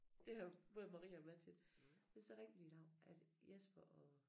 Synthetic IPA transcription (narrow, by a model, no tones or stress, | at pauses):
d̥e̝æb̥ɔ̽ːðˠmɑ̈ʁḭːæɒ̽b̥læt͡sʰen̥mensɒ̽ʁɛŋ̰dinɑ̈ʊ̰nʔæd̥jesb̥ɐɒ